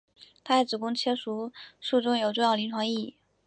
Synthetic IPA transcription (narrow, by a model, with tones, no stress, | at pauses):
t̪ʰa˥˩˥t͡sɹ̩˨˩kʊ˥ŋt͡ɕʰjɛ˥ʂu˧˥ʂu˥˧ʈ͡ʂʊ˥ŋjo˨˩ʊʈ͡ʂʊ˥˧ŋjɑ˥˩ʊli˧˥nʈ͡ʂʰwɑ˧˥ŋi˥˩˨